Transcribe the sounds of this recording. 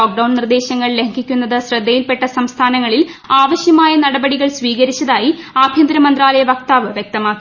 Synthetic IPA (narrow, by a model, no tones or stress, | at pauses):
oːk̚ɖɐwnnird̪e̞ːɕɐŋːɐɭleŋkʰikʲːunːɐðɨɕrɐd̪ʱːɐjilpe̞ʈːɐsɐmst̪ʰaːnɐŋːɐɭil | aːʋɐɕjɐmaːjɐnɐɽɐbɐɽiɣɐɭsʋiːɣɐɾit͡ɕːɐðaːjiaːbʱjɐnd̪ɾɐmɐnd̪raːlɐjɐʋɐkt̪aːʋɨʋjek̚t̪ɐmaːkːu